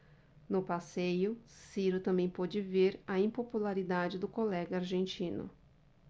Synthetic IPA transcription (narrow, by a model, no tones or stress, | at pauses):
nʊpasejʊsiɾʊt̪ɐ̃mbẽj̃pɔd͡ʒɪveɾɐĩpopulaɾid̪ad͡ʒɪd̪ʊkolɛɡɐaɾʒẽnt͡ʃĩnʊ̰